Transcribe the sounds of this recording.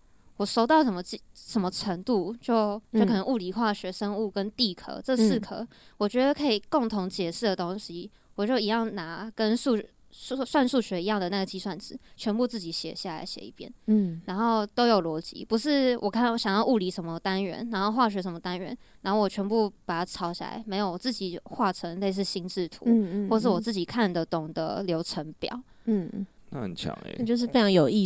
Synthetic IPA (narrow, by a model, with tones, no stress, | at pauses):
wɔ˨˩ʂo˥ʊt̪ɑ˥˩ʊʂə˧˥nmə˧t͡ɕi˥ʂə˧˥nmə˧ʈ͡ʂʰə˧˥ŋt̪u˥˧t͡ɕjo˥˩ʊt͡ɕʊkʰɤ˨˩nə˦ʔu˥˩li˧˥xwa˥˩ɕɥɛ˧˥ʂə˥ŋu˥˩kə˦nt̪i˥˩kʰɤ̰˨˧˥ʈ͡ʂɤ˥˧sɹ̩˥˩kʰɤ̰˨˩˦wɔ˨˩t͡ɕɥɛ˧˥d̪ə˧kʰɤ˧˥i˨˩ko˥˩ŋt̪ʰʊ˧˥ŋt͡ɕjɛ˨˩ʂɻ̩˥˩d̪ə˩t̪o˥ŋɕi˥ | wɔ˨˩t͡ɕjo˥˩ʊi˧˥jɑ˥˩ŋna˧˥kə˦˥nsu˥˩˦ | u˥˩swa˥˧nsu˥˩ɕɥɛ˧˥i˧˥jɑ˥˩ŋd̪ə˩na˥˩ɡə˩t͡ɕi˥swa˥˩nt͡sɹ̩˨˩˦t͡ɕʰɥɛ˧˥npu˥˧t͡sɹ̩˥˩t͡ɕi˨˩ɕjɛ̰˨˩ɕja˥˩la̰˧˥ɪɕjɛ̰˨˩i˥˩pjɛ̰˥nɻa˧˥nxo˥˩ʊt̪o˥ʊjo˨˩ʊlwɔ˧˥t͡ɕḭ˧˥pu˧˥ʂ̬ɻ̩˥˩wʔɔ̰˨˩kʰa˥˩n˧˦ɕjɑ˨˩ŋjɑ˥˧ʊu˥˩li˧˥ʂə˧˥nmə˧t̪a˥nɥɛ̰˧˥nna˧˥nxo˥˧ʊxwa˥˩ɕɥɛ˧˥ʂ̬ə˧˥nmə˧t̪a˥nɥɛ̰˧˥nna˧˥nxo˥˩wɔ˨˩t͡ɕʰɥɛ˧˥npu˥˩pa˨˩t̪a˥˩ʈ͡ʂʰɑ˥ʊɕja̰˥˩la̰˧˥ɪme˧˥ɪjo˨˩wt͡sɹ̩˥˩t͡ɕi˨˩˦xwa˥˩ʈ͡ʂʰə˧˥ŋle˥˧ɪʂ̬ɻ̩˥˩ɕi˥nʈ͡ʂɻ̩˥˩t̪ʰṵ˧˥xɔ˥˧˩ʂ̬̩˥˩wɔ˨˩t͡sɹ̩˥˩t͡ɕi˨˩kʰa˥˩nd̪ə˩t̪ʊ˨˩ŋd̪ə̰˦ljo˧˥ʊʈ͡ʂʰə˧˥ŋpjɑ̰˨˩˦ʊ˥˩ | na̰˥˧˩hə̰˨˩nt͡ɕʰjɑ̰˧˥ŋḛ˧˩˨t͡ɕjo˥˧ʂɻ̩˥˧fe˥ɪʈ͡ʂɑ˧ŋjo˨˩ʊi˥˧